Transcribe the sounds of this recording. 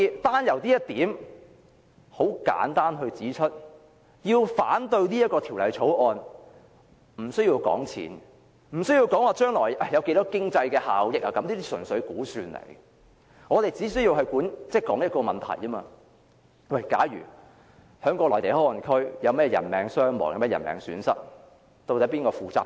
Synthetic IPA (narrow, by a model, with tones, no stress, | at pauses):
i˧t̪aː˥njɐ˨˩wt̪iː˥ɐ˥t̚t̪iː˨˥m | ho˨˥wka̰ː˨˥nt̪aː˥nɦɵ˧ɥt͡siː˨˥t͡ʃʰɵ˥t̚ | jiː˧wfaː˨˥nt̪ɵ˧ɥniː˥jɐ˥t̚kɔː˧t̪ʰi˨˩wlɐ˨jt͡sʰo˨˥wɔː˧n | m̩˨˩sɵ˥ɥji˧wkɔ̰ː˨˥ŋt͡sʰḭː˨˥n | m̩˨˩sɵ˥ɥji˧wkɔː˨˥ŋwaː˨˧t͡ʃœː˥ŋlɔː˨˩jʔɐ˧˩jɐ˨˧wke˨˥jt̪ɔː˥kɪ˥ŋt͡sɐ˧jkɛː˧ha̰ː˨wjɪ˨˥k̚lɐː˨˩kɐ˨˧˥mliː˥t̪iː˥sɵ˨˩nsɵ˨˧˥ɥkuː˨˥syː˨˧nlḛ˨˩j | ŋɔː˨˧t̪e˨jt͡siː˨˥sɵ˥jiː˧wɦɐ˨jkuː˨˥nt͡sɛː˥˩jkɔː˨˥ŋjɐ˥t̚kɔː˧mɐ˨˩nt̪ʰɐ̰˨˩jɐ˥ma̰ː˧ | wɐ˥˩jkaː˨˥ɥy̰ː˨˩ | hœː˨˧˥ŋkɔː˧lɔː˨˩t̪e˨˩jhɔː˥ɔ˨˩nkʰɵ˥ɥjɐ˨˧wmɛː˥jɛ˧jɐ̰˨˩nmɛː˨˥ŋsœː˥ŋmɔ̰ː˨˩ŋjmɛː˥˩jɐ̰˨˩nmɛ̰ː˨˧ŋsy̰ː˨˥nsɐ˥t̚ | t̪o˧tɐ˨˥piː˥nkɔː˧fuː˨˧t͡sa̰ː˥p̚